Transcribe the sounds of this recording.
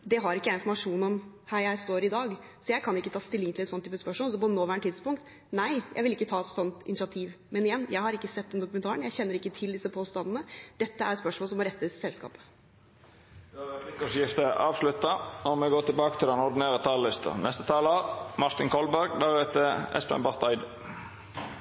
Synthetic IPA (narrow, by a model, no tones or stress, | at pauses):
d̪ɛɦɑɾɪkːəæɪnfɔɾmɑʂuːnɔmhæːɾjæɪst̪oːɾɪd̪ɑːɡsɔjæɪkʰɑnɪkːət̪ʰɑːst̪ɪlːɪŋt̪ɪlɛt̪sɔnt̪yːpəspœʂmoːlsɔbɔd̪ənoːʋæːɳʈ̪ʰɪd̪spʊŋkt̪ | næɪjæɪʋɪlɪkːət̪ʰɑːɛt̪sɔnt̪ɪ̰nɪsɑt̪ʰiːʋ | mɛnɪjɛnːjæɪhɑɾɪkːəsɛt̪ːɔmd̪ʊkʉmɛnʰɑːɾəɳjæɪçɛnːəɾɪkːət̪ʰɪld̪ɪsːəpʰoːst̪ɑnd̪ənəd̪̥ɛt̪ːəæ̰ɾspœʂmɔləsɔmɔɾɛt̪ːəssɛlskɑ̰ːpə̥ | d̪ɑlɪkːɔʂjɪft̪əʔɑːʋslʉt̪ɑɔmɛɡoːt̪ʰɪlbɑːkə̥t̪ʰɪlɛnɔɾd̪ɪneːʁət̪ʰɑllɪst̪ʰə̰nʔɛst̪ə̥t̪ʰɑːləɑmɑʁt̪ɪŋkʰɔlbæʁɡd̪æʁeːt̪əɛ̰spɛ̰mbɑʁt̪ʰɑɪd̪